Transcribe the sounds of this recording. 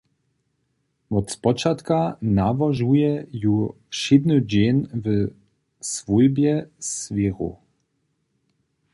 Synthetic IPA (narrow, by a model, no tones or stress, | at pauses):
vɔt̪spɔt͡ʃat̪kanavaʒujɛju | ʃed̪nɨd͡ʑenv | sv̥ujbʲjɛsvʲeɣṵ